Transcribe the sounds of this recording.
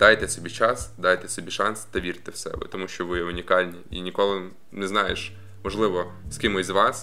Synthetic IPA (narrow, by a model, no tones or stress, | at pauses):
d̪̥ɑjt̪ɛsɔbʲit͡ʃɑsd̪ɑjt̪ɛsɔbʲiʃɑnst̪ɐʋʲirt̪ɛwsɛ̰ʋɪ̰t̪ɔmuʃʲt͡ʃɔʋɪjɛʊnʲikɑlʲnʲiinʲikɔlˠɪ | nɛznɑjeʃ | mɔʒlˠɪʋɔ | skʲɪmɪzʋɑs